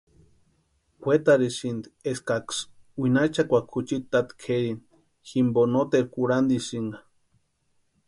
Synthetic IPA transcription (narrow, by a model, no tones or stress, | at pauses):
wʷet̪aɾisind̪ieskaks | winait͡ʃakʷakʰut͡ʃit̪ːat̪kʰeɾin | ximbonot̪eɾkuɾand̪isiŋɡa